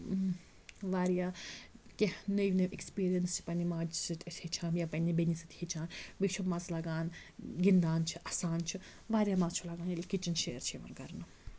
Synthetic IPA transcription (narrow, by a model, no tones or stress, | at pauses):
ʋaːɾijaːkʲenəjʋʲnɐmʔikspiːɾijɐnst͡ʃʰi̥pɐnimaːd͡ʒsɨt̪ʲʼɐsʲhit͡ʃʰaːmjapɐnʲibenʲisɨt̪ʲhit͡ʃʰaːnbit͡ʃʰumazlaɡaːnɡʲind̪aːnt͡ʃʰiʔɐsaːnt͡ʃʰi | ʋaːɾʲijaːmazt͡ʃʰulaɡaːnilʲkit͡ʃinʃeːɾt͡ʃʰiʋɐ̰nkɐɾnɨ